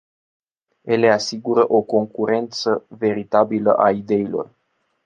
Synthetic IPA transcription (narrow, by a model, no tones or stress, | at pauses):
ele̞asiɡuɾəʔo̞ko̞ŋkuɾe̞nt̪səve̞ɾit̪abilə̰ʔaid̪e̞ilo̞̰r